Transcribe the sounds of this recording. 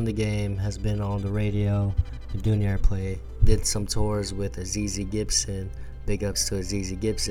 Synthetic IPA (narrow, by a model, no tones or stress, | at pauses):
nðɨɡẽɪ̃mɨzbɨ̃nə̃nðəɹeɪɾioʊ | ðɨdʉ̃njɛɹpʰl̥eɪ | d̥ɪd̥sʌ̃mtʰɔɹzwɪðɨziziɡɪpsɪ̃n | b̥ɪɡʌpstʰəɨziziɡɪps